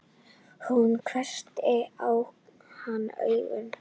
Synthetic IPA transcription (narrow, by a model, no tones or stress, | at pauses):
hunkʰɾɛr̥t̪ɛaw | hanːœ̰ːɥvʏ̰n